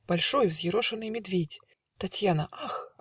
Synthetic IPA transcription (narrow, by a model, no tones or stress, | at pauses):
b̥alʲʂɔjuzʲjiɾɔʂɐnɨjmʲɛd̪vʲet͡sʲ | t̪at͡sʲjanɐʔax